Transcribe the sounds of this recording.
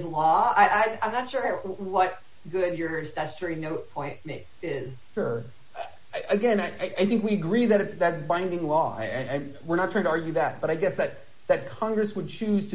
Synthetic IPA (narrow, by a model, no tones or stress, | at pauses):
zlɔaɪʔãɪ̃ãɪ̃mnətʃʊɹwʌt̚ | ɡʊdjə˞stɛt͡ʃtʰɛɹinoʊt̚pʰɔ̃ɪ̃nt̚meɪkɪz̥ | ʃʊɹ | ʌ | aʔɨɡɛ̃naɪʔaɪʔaɪθɪ̃ŋkwiɨɡɹiðɨɾɨtsðæɾɨtsb̥ãɪ̃ndɪ̃ŋlɔa̰ɪaɪʔãɪwɪɹñətʰɹ̥aɪ̃ŋtʰəɑɹɡjʉðæt̚b̥ʌɾaɪɡɛsðɨt̪̚ | ðɨt̚kʰɑ̃ŋɡɹɨswɨd̚t͡ʃʰʉz̥tʰɨ